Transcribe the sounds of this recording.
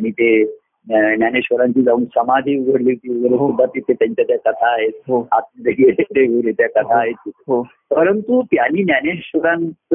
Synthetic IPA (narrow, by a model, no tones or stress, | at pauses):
aɽ̃it̪e | njaneɕʋəɾãɲt͡ɕiːd͡zauːnsəmad̪ʱiːuɡʱəɽlit̪iɡəɾeɦud̪at̪it̪et̪jaɲt͡ɕat̪jakət̪ʰaːɦet̪ɦoat̪̚d͡zeɡeleɾeɡuɾet̪jakət̪ʰaːɦet̪iɦo | pəɾənt̪ut̪janiːnjaneɕʋəɾãn